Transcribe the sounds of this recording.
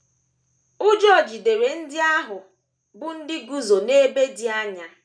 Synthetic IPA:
ʊ˦d͡ʒɔ˦˨d͡ʒi˨de˨ɾe˨n̩˦dɪ˦a˦ɦʊ˨ | bʊ˦n̩˦dɪ˦ɡu˦zo˨ne˦be˦dɪ˦a˦ɲa˨

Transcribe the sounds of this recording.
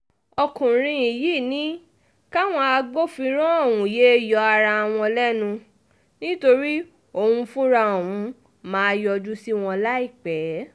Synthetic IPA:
ɔ˧kũ˨ɾ̃ĩ˧i˨ji˦˨nĩ˨˦ | ka˦w̃ɔ̃˧a˧ɡ͡bo˦fĩ˧ɾ̃ɔ̃˦ɔ˦˨wũ˨je˨˦e˦jɔ˧a˧ɾa˧w̃ɔ̃˧lɛ˦nũ˧ | nĩ˦to˧ɾi˦ | o˧˨hũ˧fũ˦ɾa˧o˨wũ˨˧ | mãː˨˦˧jɔ˧du˦si˦w̃ɔ̃˧la˦i˦˨k͡pɛ˨˦

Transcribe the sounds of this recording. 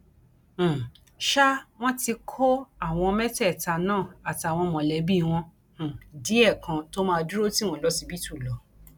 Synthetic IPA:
ʃa˦w̃ɔ̃˦ti˧kʰo˦a˦˨w̃ɔ̃˧mɛ˦tɛ˦˨ta˧nãː˦˨a˨ti˨a˨w̃ɔ̃˧mɔ̃˨lɛ˨˦bi˦˧w̃ɔ̃˧˨ | di˨˦ɛ˦˨kã˧to˦mãː˧du˦ɾo˦ti˦w̃ɔ̃˦˨lɔ˨˦si˧bi˦tu˦˨lɔ˨˦

